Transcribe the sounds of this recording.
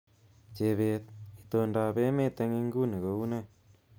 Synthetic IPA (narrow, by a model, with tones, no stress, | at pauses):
t͡ʃe˧˨βe˧t̪̚i˧t̪o˧nda˧be˦me˦t̪e˧ŋi˧ŋɡu˦ni˨ko˨˦u˦ne˦˨